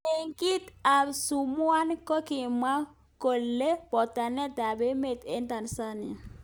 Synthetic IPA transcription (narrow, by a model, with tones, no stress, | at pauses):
e˨ŋki˦t̪a˨su˨mwa˦nko˦ki˨ma˦ | ko˨lːe˦bɔ˨t̪a˨nɛ˦t̪a˨be˦me˨t̪e˦nt̪a˨nsa˦nɪ˨a˨